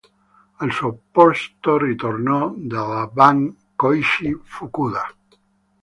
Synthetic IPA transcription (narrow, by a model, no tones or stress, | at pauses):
əlsopɔst̪orit̪oɾnɔd̪əlaβaŋ | kojʃifukuða